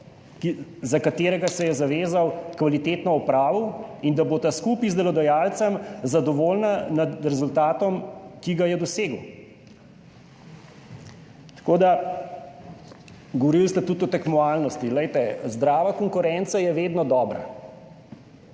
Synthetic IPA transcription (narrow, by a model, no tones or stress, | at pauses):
kizakat̪eːɾɛɡasɛjɛzaʋeːzawkʋalit̪eːt̪nɔɔpɾaːʋuind̪aboːt̪askuːpizd̪ɛlɔd̪ɐjaːlt̪sɐmzad̪ɔʋoːlnanad̪ɾɛzult̪aːt̪ɔmkiɡajɛd̪ɔseːɡw | t̪ḁkoːd̪a | ɡɔʋɔɾilst̪ɛt̪ut̪ɔt̪ɛkmɔaːlnɔst̪ilɛjt̪ɛzd̪ɾaːʋakɔŋkʊɾɛnt̪sajɛʋeːd̪nɔd̪ɔːbɾa̰